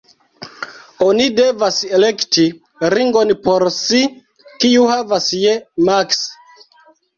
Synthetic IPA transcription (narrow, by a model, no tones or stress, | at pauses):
onide̞vaselekti | ɾiŋɡonpo̞ɾsi | kiuhavasjemaks